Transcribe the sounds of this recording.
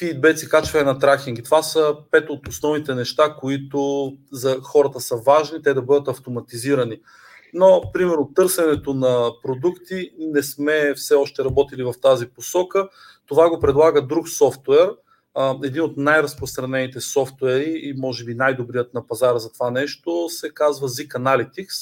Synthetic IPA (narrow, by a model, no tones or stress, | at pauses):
pid̪̚bɛt̪sikat͡ʃvɐɛnɐt̪ɾakiŋɡʲit̪ovasəpɛt̪ot̪osnɔvnit̪ɛnɛʃt̪akoit̪ozɐxɔɾət̪əsəvaʒnit̪ɛd̪ɐbɤd̪ət̪ɐft̪omɐt̪iziɾɐni | nopɾimɛɾnot̪ɤɾsɛnɛt̪onɐpɾod̪ukt̪inɛsmɛfsɛɔʃt̪ɛɾɐbɔt̪ilivɐft̪aziposɔkə | t̪ovaɡopɾɛd̪lˠaɡəd̪ɾuksɔft̪wɛɾ | ɛd̪inot̪najɾɐspɾost̪ɾɐnɛnit̪ɛsɔft̪wɛɾiːmɔʒɛbinajd̪obɾiət̪nɐpɐzaɾzɐt̪ovanɛʃt̪osɛkazvəzikɐnalit̪iks